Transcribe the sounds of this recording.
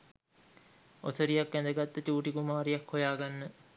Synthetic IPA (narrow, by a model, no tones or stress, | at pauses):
osəɾijakʋænd̪əɡat̪ːət͡ɕuːʈikumaːɾijakhojaːɡanːə